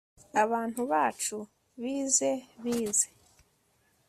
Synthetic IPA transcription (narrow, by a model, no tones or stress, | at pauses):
aβaːn̥uβaːt͡ʃu | βiːze̞βiːze̥